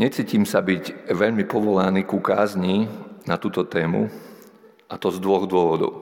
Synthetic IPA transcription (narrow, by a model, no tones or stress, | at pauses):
ɲɛt͡siːciːmsabiɟʋɛʎmipɔʋɔlaniːkukaːzɲinat̪uːt̪ɔt̪ɛːmṵ | ʔat̪ɔzd̪ʋɔɣd̪ʊɔʋɔd̪ɔ̰ʊ